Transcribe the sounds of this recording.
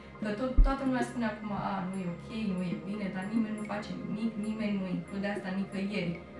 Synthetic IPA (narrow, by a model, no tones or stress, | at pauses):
kət̪ot̪ːoat̪əlumeaspuneakumaʔanujeokʲʰejnujebined̪aɾnimenʲnufat͡ʃemiknimenʲnuiŋklud̪east̪anikəjeɾʲ